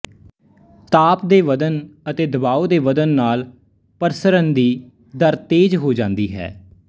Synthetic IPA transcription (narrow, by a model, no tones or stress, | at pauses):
t̪aːpd̪eːʋəd̪ənət̪eːd̪əbaːod̪eːʋəd̪ənːaːl | pəɾsəɾənd̪iː | d̪əɾt̪eːd͡ʒɦoːd͡ʒãːnd̪iːɦɛ̰ː